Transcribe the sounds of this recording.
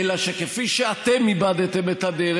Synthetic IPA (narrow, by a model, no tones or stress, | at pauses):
laʃekefiʃeat̪emibad̪et̪emet̪ad̪eɾ